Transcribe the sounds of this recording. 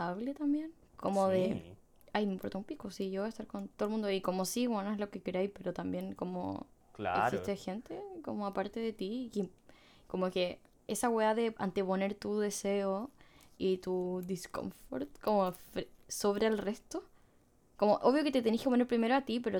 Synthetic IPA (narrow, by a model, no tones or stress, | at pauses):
aβle̞t̪ambje̞n | komoðe | ajmeimpoɾt̪aumpikosiʝoβaest̪aɾko̞nt̪oðolmũnd̪oiko̞mosiwenoezlo̞kekeɾajpe̞ɾot̪ambje̞nko̞mo̰la̰ḛksist̪exe̞nt̪ekomoapaɾt̪eðe̞t̪iki | ko̞moke̞ | esaɣweðaðe̞a̰nt̪epo̞ne̞ɾt̪uðe̞seoit̪uðisko̰ɱfo̰ɾt̪̚ko̞mofɾso̞βɾelre̞st̪o | ko̞moʔoβjo̞ket̪et̪enikeponeɾpɾime̞ɾoat̪ipe̞ɾo